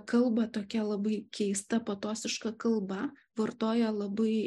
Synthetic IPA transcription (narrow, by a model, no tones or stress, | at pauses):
kɐlˠbɐt̪oːkʲɛlˠɐbɐɪkʲɛɪst̪ɐpɐt̪oːsʲɪʃkɐkɐlˠbɐʋɐrt̪oːjɛlˠɐbɐɪ